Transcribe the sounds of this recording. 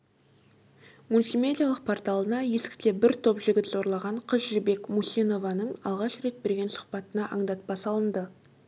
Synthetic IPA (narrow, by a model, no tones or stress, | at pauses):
mulʲsime̞d̪ʲijalˠəq̚pʰo̞rt̪alˠənɑje̞sɪ̥kt̪e̞bɪɾt̪ʰo̞pʒɪɡʲɪt̪zo̞ɾlˠɑʁɑɴqʰəzʒɪbe̞kmusijno̞vɑnəɴɑlˠʁɑʃɾe̞t̪̚be̞ɾɡʲe̞nsʊ̥χpɑt̪ənɑʔɑɴd̪ɑt̪̚bɑsɑlˠənd̪ə